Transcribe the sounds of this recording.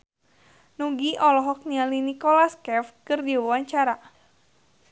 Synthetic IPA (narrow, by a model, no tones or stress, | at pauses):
nuɡiʔɔlɔɦɔk̚nialinikɔlaskɛfkɨrdiwuwaɲt͡ʃaɾa